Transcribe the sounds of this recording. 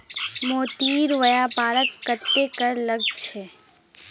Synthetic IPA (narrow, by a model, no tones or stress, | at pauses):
moːt̪iːɾʋɐjaːpaːləkkət̪ːekɐɾlɐɡ̚t͡ʃʰeː